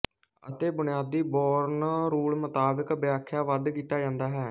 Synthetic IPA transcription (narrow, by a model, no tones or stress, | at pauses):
ə̰t̪eːbʊnɪjaːd̪iːbɔːɾnaːɾuːɭmət̪aːbəkbɪjaːkʰːjaːʋəd̪kiːt̪aːd͡ʒãːnd̪aːɦɛː